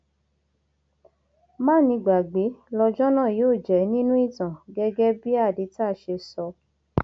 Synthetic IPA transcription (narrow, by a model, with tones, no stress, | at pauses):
mãː˦˨nĩ˧ɡ͡ba˨ɡ͡be˨˦lɔ˧d͡ʒɔ˦nã˦˨joː˦˨d͡ʒɛ˨˦nĩ˦nũ˦i˦˨tã˨ɡɛ˧ɡɛ˦bi˦a˦˨di˨˦ta˦˨ʃe˧sɔ˧